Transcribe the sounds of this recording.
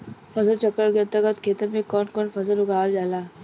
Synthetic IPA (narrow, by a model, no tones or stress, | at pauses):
fɐsəlt͡ʃɐkːəɽɡẽnt̪əɡət̪kʰeːt̪əɾmẽkɔːnkɔːnfɐsəlʊɡaːld͡ʒaːlaː